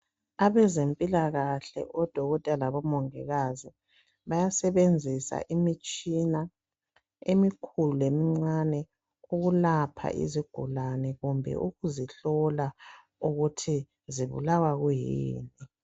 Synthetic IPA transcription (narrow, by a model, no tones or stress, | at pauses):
aβɛzempʼilaɣaɬɛ̰ʔɔd̥ʱɔɣɔtʼɛlaβɔmɔŋɛɣazi | βajasɛβend͡zʱisa̰ʔimit͡ʃʼina | emikʰuluemiŋ͡ǀanɛ | uɣulapʰa̰ʔḭziɡ̥ʱulanɛɣumbʱɛ̰ʔuɣuziɬɔla | uɣutʰi | ziβṵlawaɣujḭːni